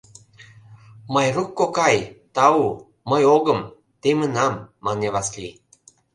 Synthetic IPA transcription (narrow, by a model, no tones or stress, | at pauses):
mɤjrukːokɑjt̪ɑu | məjoɣə̆m | t̪emənɑmːɑneβɑsli